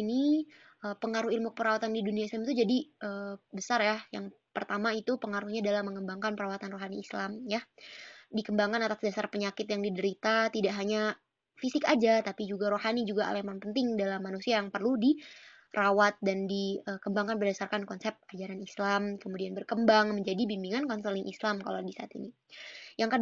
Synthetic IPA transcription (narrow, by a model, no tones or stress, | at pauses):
ini | ʔəpəŋaɾuhilmukəpəɾawat̪andiduniaislamit̪ud͡ʒadiʔəːbəsarjajaŋ | pərt̪amait̪upəŋaɾuhɲadalamːəŋəmbaŋkanpəɾawat̪anroɦaniːslamja | dikəmbaŋkanat̪asdasarpəɲakɪt̪jaŋdidəɾit̪at̪idaʔɦaɲa | fisɪkad͡ʒat̪apid͡ʒuɡaɾoɦanid͡ʒuɡaʔa̰lamanpənt̪ɪŋdalamːanusiajaŋpərludi | rʔawat̪̚dandiəkəmbaŋkanpərdasarkankɔnsɛp̚ad͡ʒaɾanislamkəmudianbərkəmbaŋməɲd͡ʒadibimbiŋankɔnsəlɪŋʔislamka̰ladisaa̰t̪ḭni | jaŋkə